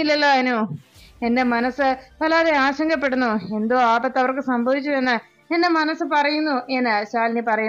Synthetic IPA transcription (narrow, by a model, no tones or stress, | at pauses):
ilːɐlːoːnue̞nde̞mɐnɐsɨpɐlaːðeaːɕɐŋɡɐpːe̞ɽunːue̞nd̪oːaːbɐt̪ːɐʋɐrkɨsɐmbʱɐʋit͡ɕːuʋenːɨ | ende̞mɐnɐsɨpɐrɐjunːuʔenɨɕaːlnipɐrɐju